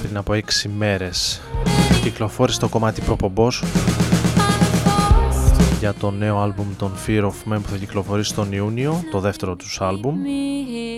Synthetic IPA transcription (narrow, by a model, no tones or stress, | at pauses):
pɾinɐpo̞e̞ksime̞ɾe̞s | ciklo̞fo̞ɾise̥t̪o̞ko̞mɐt̪ipɾo̞po̞mbo̞s | ʝɐt̪o̞ne̞o̞ɐlbumt̪o̞nfiɾofmenpuθɐciklo̞fo̞ɾisi̥t̪o̞niunio̞t̪o̞ðe̞ft̪e̞ɾo̞t̪u̥sɐlbum